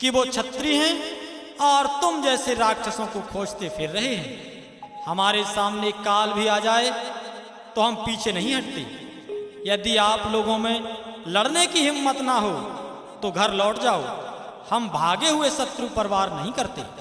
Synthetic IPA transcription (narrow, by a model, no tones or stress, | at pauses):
kiʋot͡ʃʰɐt̪ɾiɦɛ̃ | ɔːɾt̪ʊmd͡ʒɛːseɾaːɡ̚t͡ʃʰəsõkokʰoːd͡ʒt̪epʰɪɾːɐɦeɦɛ̃ː | hɐmaːɾesaːmnekaːlbʱiaːd͡ʒaːe | t̪oɦɐmpiːt͡ʃʰenɐɦĩɦɐʈ̚t̪ḛ | jɐd̪iaːploːɡõmẽlɐɽnekiɦɪmːət̪naɦo | t̪oɡʱɐɾlɔːʈd͡ʒaːohɐmbʱaːɡeɦʊesɐt̪ɾupəɾʋaːɾnɐɦĩkɐɾt̪ḛ